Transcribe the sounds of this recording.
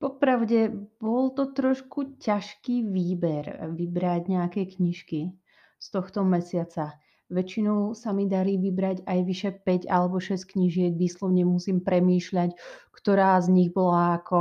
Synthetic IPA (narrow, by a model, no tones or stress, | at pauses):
pɔpɾaʊɟɛbɔlt̪ɔt̪ɾɔʃkucaʃkiːʋiːbɛɾʋibɾaɟɲɛakɛjkɲiʃki | st̪ɔxt̪ɔmɛsɪat͡sa | ʋɛt͡ʃinɔʊsamid̪aɾiːʋibɾaɟajʋiʃɛpɛɟalɛbɔʃɛsckɲiʒɪɛɡʋiːslɔʊɲɛmusiːmpɾɛmiːʃʎackt̪ɔɾaːzɲiɣbɔlaːkɔ